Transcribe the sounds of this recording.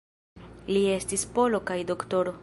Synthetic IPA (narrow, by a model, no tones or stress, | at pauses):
lie̞stispo̞lo̞kajdo̞kto̞ɾo